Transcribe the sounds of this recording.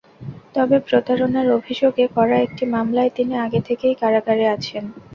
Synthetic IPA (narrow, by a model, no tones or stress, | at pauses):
t̪ɔbepɾot̪aɾonaɾobʱiʃoɡekɔɾaek̚ʈimamlaet̪iniaɡet̪ʰekejkaɾaɡaɾeat͡ɕʰen